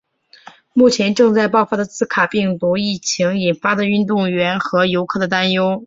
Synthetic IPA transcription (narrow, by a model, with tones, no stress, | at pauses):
mu˥˩t͡ɕʰjɛ˧˥nʈ͡ʂɤ˥˧ŋt͡sa˥˧ɪpɑ˥˩ʊfa˥d̪ə˨t͡sɹ̩˥˩kʰa˨˩pi˥˩ŋt̪u˧˥i˥˩t͡ɕʰi˧˥ŋi˨˩nfa˥d̪ə˨y˥˧nt̪ʊ˥˩ŋɥɛ˧˥nxɤ˧˥jo˧˥ʊkʰɤ˥˩d̪ə˩t̪a˥njo˥ʊ